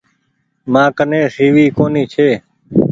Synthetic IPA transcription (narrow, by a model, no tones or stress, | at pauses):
mãːkənẽːsiːʋiːkoːniːt͡ʃʰeː